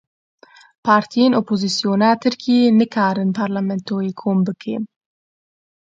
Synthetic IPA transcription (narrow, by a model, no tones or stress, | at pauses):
pʰaːɾt̪ʰijenopozisijoːnaːt̪ʰɨɾkʰenɨkʰaːɾɨnpʰaːɾlamɛnt̪ʰojekʰoːmbɨkʰḛːn